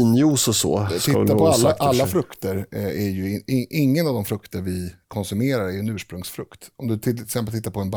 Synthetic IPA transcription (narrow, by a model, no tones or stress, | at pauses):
njuːsɔsɔ̰t̪ʰɪːapʰɔalːaalːafɾɵkt̪əɾæɾjɵɪʔɪŋːənavd̪ɔmfɾɵkt̪əɾvɪkʰɔnsɵmeːɾaɾæɾjɵɛnʉ̟ːʂpɾɵŋsfɾɵkt̪ɔmd̪ɵt̪ʰɪsɛmpəlt̪ʰɪt̪ːaɾpʰɔɛnb